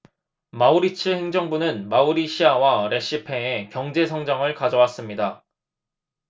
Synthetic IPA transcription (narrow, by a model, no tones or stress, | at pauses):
mauɾit͡ɕʰɯhe̞ŋd͡ʑʌŋbunɯnmauɾiɕʰiawaɾe̞ɕ͈ipʰe̞ekjʌŋd͡ʑe̞sʰʌŋd͡ʑaŋɯɭkad͡ʑʌwas͈ɯmɲida